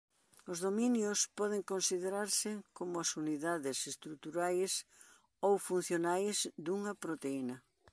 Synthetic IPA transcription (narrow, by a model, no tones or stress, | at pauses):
ʊzðominjʊspɔð̞ɪŋkonsiðeɾaɾsɪkomʊasuniðaðɪsest̪ɾut̪uɾajs | owfun̟θjonajzd̪uŋɐpɾot̪einɐ